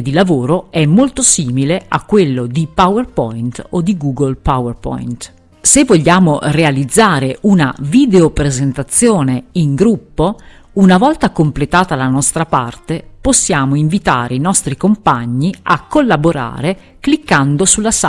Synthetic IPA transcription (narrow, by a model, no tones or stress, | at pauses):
d̪ilavoːɾoɛmːolt̪osiːmilea̰kːwelːod̪ipawerpɔjnt̪od̪iɡuːɡolpawerpɔ̰jnt̪ | sevːoʎːaːmorealid̪zːaːɾeuna̰vid̪eopɾezent̪at̪sːjoːneiŋɡɾupːo | unavɔlt̪akomplet̪aːt̪alanɔst̪ɾapa̰rt̪eposːjaːmoiɱvit̪aːɾeinɔst̪ɾikompaɲːiakːolːaboɾa̰ːɾe | klikːand̪osulːasa